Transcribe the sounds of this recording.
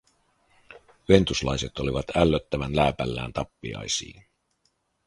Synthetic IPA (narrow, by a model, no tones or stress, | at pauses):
ye̞nt̪uslɑjse̞t̪o̞liʋɑt̪ælːøt̪ːæʋænlæːpælːæːnt̪ɑpːiɑ̰jsḭːn